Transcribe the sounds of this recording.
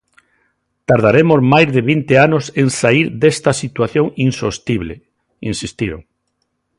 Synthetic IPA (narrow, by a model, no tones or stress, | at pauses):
t̪aɾð̞aɾemozmajzðeβint̪eanoseŋsaiɾðest̪ɐsit̪waθjoŋinsost̪iβlḛ | insist̪iɾo̰ŋ